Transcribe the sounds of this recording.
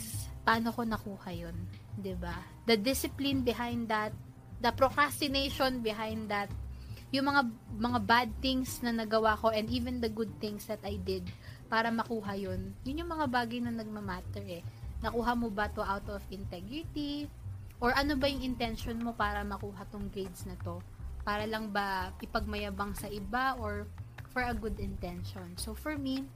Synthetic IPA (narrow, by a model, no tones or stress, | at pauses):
pɐaːno̞ko̞nɐkuːhɐjond̪ɪba | d̪ɐd̪ɪsɪplɪnbɪɦajnd̪ɐt̪̚ | d̪ɐpɾokɹast̪ɪnejʃonbɪɦajnd̪d̪ɐt̪̚jʊŋmɐŋamɐŋabad̪̚t̪ɪŋsnɐnɐɡɐwako̞ʔɛ̃nd̪iːvɛnd̪ɐɡʊd̪̚θɪ̃ŋsd̪ɐt̪ajd̪ɪd̪̚paːɾɐmɐkuːɦɐjonjʊnjʊŋmɐŋabaːɡɐjnɐnɐɡ̚mɐmaːt̪ɛɹɛnɐkuːɦɐmobɐt̪o̞ʔawt̪ɔvɪnt̪ɛɡɹɪt̪i | ʔɔɹʔɐnobɐjʊŋɪnt̪ɛnʃonmo̞paːɾɐmɐkuːɦɐt̪oŋɡɾejd̪snɐt̪o̞ | paːɾɐlɐŋbɐʔɪpɐɡ̚mɐjabaŋsɐʔɪbaʔoɹfɔɹɐɡʊd̪ɪnt̪ɛnʃonsofɔɹmi